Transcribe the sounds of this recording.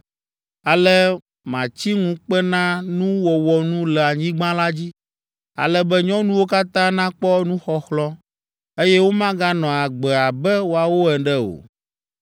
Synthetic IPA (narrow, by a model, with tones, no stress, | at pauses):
a˨lɛ˦ | mã˨t͡ɕi˦ŋũ˦k͡pɛ˦nã˦nũ˦wɔ˨wɔ˨nũ˦lɛ˨a˨ɲĩ˦ɡ͡bã˦la˦d͡ʑi˦ | a̰˨lɛ˦bɛ˦ɲɔ̃˦nũ˦wo˦ka˦t̪ã˦nã˦k͡pɔ˦nũ˦xɔ˦xlɔ˦ | e˦jɛ˦wo˦mã˦ɡa˦nɔ̃˨a˨ɡ͡bɛ˨a˨bɛ˦wo˦a˨wo˦ɛ˨ɖɛ˦o̰˨